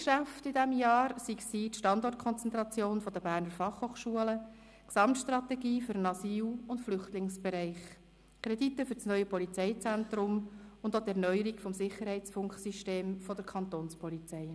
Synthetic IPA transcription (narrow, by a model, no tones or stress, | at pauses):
ʃæftɪdɛmjɑːɾsiksiːtʃtɑndɔrt̚kʰɔnt͡sɛnt̪ɾɑt͡sjoːnfɔd̥əbæːɾnəɾfɑχhoːχʃuələ | ksɑmtʃt̪rɑt̪ɛɡiːfʏɾənɑsiːlʊntflʏχtlɪŋsb̥ɛɾɛɪχ | kʰɾɛditəfʏɾsnœʏəpɔlit͡sɛɪt͡sæntɾʊmʊnd̪ot̪ɛɾnœʏəɾikfɔmsɪχːəɾhɛɪt͡sfʊŋksiʃteːmfɔd̥əɾkʰɑnt̪oːnspʰɔlit͡sɛɪ